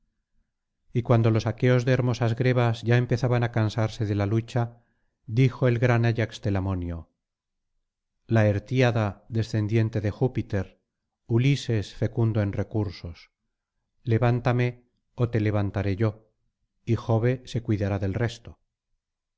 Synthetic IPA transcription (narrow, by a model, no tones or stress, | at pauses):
ikwand̪o̞lo̞sake̞o̞zðeːɾmo̞sazɣɾeβazʝaempe̞θaβanakansaɾse̞ðe̞lalut͡ʃa | ðixo̞e̞lɣɾanaʎakst̪e̞lamo̞njo | lae̞ɾt̪jaðaðe̞sθe̞nd̪je̞nt̪e̞ðe̞xupit̪e̞ɾ | ulise̞sfe̞kund̪oe̞nre̞kuɾso̞s | le̞βant̪ame̞ | ot̪e̞le̞β̞ant̪aɾe̞ʝo̞ | ixo̞βe̞se̞kwiðaɾaðe̞lre̞st̪o